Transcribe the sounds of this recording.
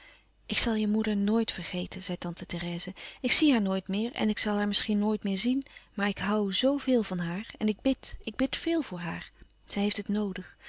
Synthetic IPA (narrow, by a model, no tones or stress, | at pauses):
ʔɪksɑlˠjəmudəɹnoːjtfərχejtʰənz̥ɛjtɑntəterɛːzəɪksiɦaːɹnoːjtmɪːɹɛ̰nɪksɑlˠɦaːɹmɪsχinoːjtmɪːɹzinmaːɹɪkɦʌwzowvɪːlˠvɑnɦaːɹɛnɪɡ̚bɪtɪɡ̚bɪtfɪːlˠvʊːɹɦa̰ːɹz̥ɛjɦejftɦətnowdəχ